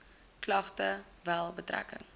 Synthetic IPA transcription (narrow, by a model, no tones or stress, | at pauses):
klɐχtə | vælˠbətræ̰kə̰ŋ